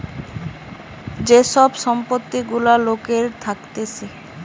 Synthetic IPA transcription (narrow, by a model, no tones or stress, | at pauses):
d͡ʑeʃɔbʃɔmpot̪ːiɡulalokeɾt̪ʰakt̪et͡ɕʰe